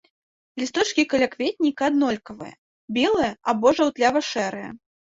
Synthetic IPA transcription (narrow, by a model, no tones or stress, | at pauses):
lʲist̪ɔt͡ʂkʲikɐlʲakvʲet̪̚ʲnʲikɐad̪nɔlʲkɐvɨ̰jɐ̰ | bʲɛlˠɐjɐabɔʐɐwt̪lʲavɐʂɛɾɨjɛ̰